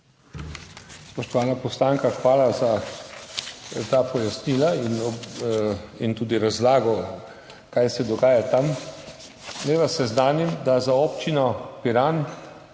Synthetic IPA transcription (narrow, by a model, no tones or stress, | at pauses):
spɔʃt̪ɔʋaːnapɔst̪aːŋkaxʋaːlaza | t̪apɔjasniːlainɔ | int̪uːd̪iɾazlaːɡɔ | kajsɛd̪ɔɡaːjat̪am | nɛʋasːɛznaːnimd̪azaopt͡ʃinɔpiɾaːn